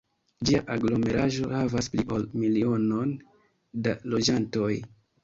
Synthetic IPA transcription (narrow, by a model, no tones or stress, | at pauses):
d͡ʒiaʔaɡlo̞me̞ɾaʒo̞havaspliʔolmilio̞no̞n | dalo̞d͡ʒanto̞j